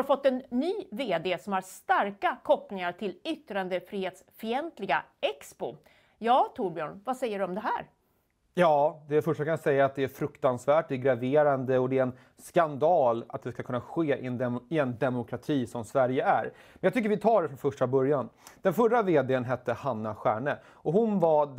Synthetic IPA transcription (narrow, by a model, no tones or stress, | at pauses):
afɔt̪ːɛnːyːveːd̪eːsɔmhæɾst̪aɾkakʰɔplɪŋaɾʈ̪ʰɪlʏt̪ːɾand̪əfɾiːheːt̪sfɾiːɛnt̪lɪɡa̰ɛkspʊ̰ | jɑːt̪ʰuɾbɪɔːnvasɛjːəɖɵɔmd̪ɛɦæːɾ | jɑːd̪ɛfœʂʈakʰanjasɛjːaːt̪̚d̪ɛæɾfɾɵkt̪ansvæːʈ̚d̪ɛɾɡɾaveːɾand̪əɔd̪ɛæɾɛn | skand̪ɑːla̰t̪̚d̪ɛskakʰɵnːaɧeːʔɪ̰ɛnd̪ɪɛnd̪ɛmʊkʰɾat̪ʰiːsɔmsvæɾjəæ̰ɾ | mɛnjɑt̪ʏkːəɾvɪt̪ʰɑːɖɛfɾɔnfœʂʈabœɾjand̪̥ɛnfœɾːaveːd̪eənɦɛt̪ːəhanːaɧæːɳə | ɔɦʊnva